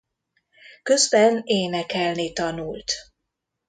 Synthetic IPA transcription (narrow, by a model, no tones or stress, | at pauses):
køzbɛneːnɛkɛlnit̪ɒnult̪